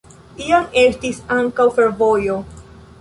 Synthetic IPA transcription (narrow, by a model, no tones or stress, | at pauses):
iame̞stisaŋkawfe̞ɾvo̞jo̞